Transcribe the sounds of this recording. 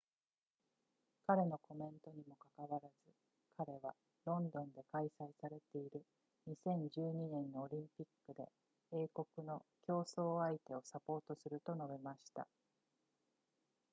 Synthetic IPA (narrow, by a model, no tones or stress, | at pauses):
kaɾe̞no̞ko̞mẽ̞nt̪o̞ɲ̟imo̞kakaβaɾazɨ | kʰaɾe̞βa | ɾõ̞nd̪õ̞nd̪e̞kaisaisaɾe̞t̪e̞iɾɯ̟ | ɲ̟isẽ̞ɲ̟d͡ʑɨːɲ̟inẽ̞nːoːɾʲĩmpʲikːɯ̟d̪e̞̰ | e̞ːko̞kɯ̟no̞kʲo̞ːso̞ːait̪e̞o̞sapo̞ːt̪o̞sɨɾɯ̟t̪o̞no̞bemaɕi̥t̪a̰